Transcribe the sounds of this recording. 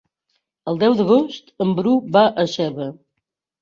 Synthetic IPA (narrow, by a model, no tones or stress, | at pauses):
əlˠd̪ɛwd̪əɣ̞ost̪əmbɾubaʔəsɛβə